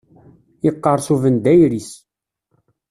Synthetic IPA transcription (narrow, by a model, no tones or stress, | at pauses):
iqːəɾˤsuvənd̪æjɾis